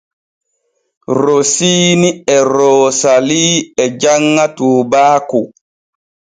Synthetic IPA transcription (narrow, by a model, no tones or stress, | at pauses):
ɾosiːniɛɾoːsaliːɛd͡ʒaŋːatuːbaːku